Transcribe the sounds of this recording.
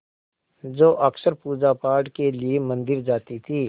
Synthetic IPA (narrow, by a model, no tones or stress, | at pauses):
d͡ʒoːʔɐksəɾpuːd͡ʒapaːɾʈkeliemɐ̃nd̪ɪɾd͡ʒaːt̪it̪ʰiː